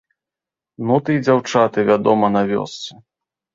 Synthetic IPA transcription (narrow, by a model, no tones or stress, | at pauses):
nut̪ɨjd͡zʲawt͡ʂat̪ɨvʲad̪ɔmɐnavʲɔ̰st̪sɨ